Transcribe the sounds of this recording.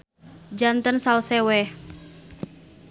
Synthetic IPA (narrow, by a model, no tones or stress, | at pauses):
d͡ʒant̪ənsalsɛwɛ